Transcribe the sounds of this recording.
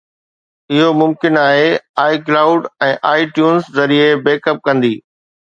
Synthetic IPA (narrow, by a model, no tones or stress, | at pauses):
ɪɦomʊmkɪnaːɦeaːɪklaːʊɖɛ̃ːʔaːɪʈjuːnszɐɾiebeːkəp̚kɐ̃nd̪iː